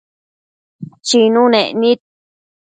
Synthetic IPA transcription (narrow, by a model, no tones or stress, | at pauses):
t͡ʃinũnẽʔnĩt̪̚